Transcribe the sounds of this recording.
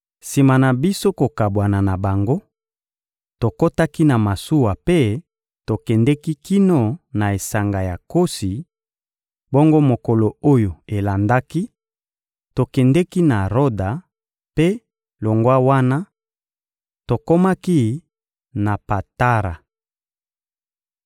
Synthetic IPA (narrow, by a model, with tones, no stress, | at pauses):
si˨ma˨na˨bi˦so˦ko˨ka˨bwa˨na˨na˨ba˨ŋɡo˦ | to˨ko˦ta˦ki˦na˨ma˨su˦wa˨pe˦ | to˨kɛ˨ndɛ˦ki˦ki˦no˦na˨e˨sa˨ŋɡa˨ja˨ko˦si˨ | bo˦ŋɡo˦mo˨ko˨lo˨o˦jo˨e˨la˨nda˦ki˦ | to˨kɛ˨ndɛ˦ki˦na˨ʁo˦da˨ | pe˦ | lo˨ŋɡwa˦wa˦na˦ | to˨ko˦ma˦ki˦ | na˨pa˨ta˦ʁa˨